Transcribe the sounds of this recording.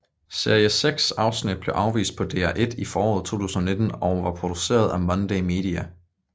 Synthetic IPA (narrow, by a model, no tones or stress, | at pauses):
se̝ɐiəseɡ̥sɑ̈ʊsnid̥̚b̥le̝ʊʔɑ̈ʊʋḭːsd̥̚pʰɒ̽d̥e̝̰ːæʔe̝d̥ifɒːɒ̰ːð̩ˠt͡sʰo̝̰ːt͡sʰṵːsn̩ɐne̝d̥n̩ɒʊʋɑ̈pʰʁo̝d̥use̝̰ːɐðˠæmɒnd̥ɛɪme̝̰ːd̥iæ